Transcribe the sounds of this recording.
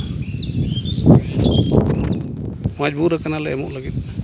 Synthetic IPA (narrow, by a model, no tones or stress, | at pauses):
mad͡ʒbuɾəkanalɛɛmɔʔləɡit̪̚